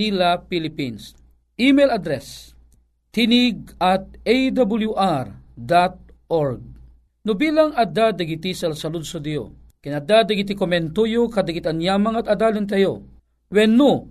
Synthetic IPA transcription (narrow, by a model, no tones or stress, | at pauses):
ilapilɪpins | ʔimɛjlɐd̪ɾɛs | t̪ːinɪɡ̚at̪̚ejd̪abuljuʔaɾd̪at̪̚ | ʔɔɹɡ̚ | nʊbiːlɐŋɐd̪ad̪ɐɡit̪isɐlsɐlʊd̪̚sud̪jo̰ | kɪnɐd̪ad̪ɐɡit̪̬ikomɛnt̪ojokɐd̪ɐɡɪt̪ɐnjaːmɐŋɐt̪ɐd̪aːlɪnt̪̬ɐjo̰ | wɛnːo